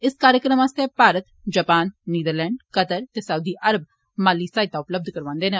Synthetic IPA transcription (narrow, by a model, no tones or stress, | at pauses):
ɪskaːɾjəkɾəmaːst̪epaːɾət̪d͡ʒaːpaːnːiːd̪əɾlɛ̃ːɳɖkət̪əɾt̪eːsəuːd̪iːʔəɾəb | maːliːsaːɪt̪aːʊpləb̚d̪ʱkəɾʋãːnd̪eːnẽ